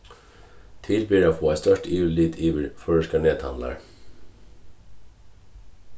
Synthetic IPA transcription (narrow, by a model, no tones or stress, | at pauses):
t̪ʰɪlbyːɾaːfoːæɪst̪œʃʈiːʉliːd̪ʰiːʋəɾføːɹəʃkɑɳeːd̪hɑ̰nlɑ̰ɹ